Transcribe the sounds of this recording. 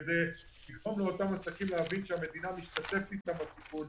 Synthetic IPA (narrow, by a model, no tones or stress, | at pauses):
d̪e | liɡʁo̞mleo̞t̪amasakimleavinʃeame̞d̪inamiʃt̪at̪e̞ft̪it̪ambasipu